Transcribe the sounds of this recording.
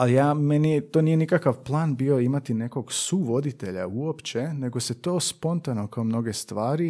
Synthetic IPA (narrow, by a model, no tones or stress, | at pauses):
alijaːmeniet̪oːnije̞nikakaʋplˠaːnbioimat̪ine̞ko̞ɡsuʋo̞d̪it̪e̞ʎa̰uo̞pt͡ɕe̞ne̞ɡo̞se̞t̪o̞ːspo̞nt̪ano̞kaomno̞ɡe̞st̪ʋaːɾi